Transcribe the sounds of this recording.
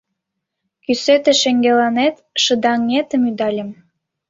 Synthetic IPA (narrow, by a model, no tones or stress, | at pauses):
kyset̪ĕʃĕŋɡelɑnet̪ | ʃə̆d̪ɑŋːet̪ə̆myd̪ɑlʲĕm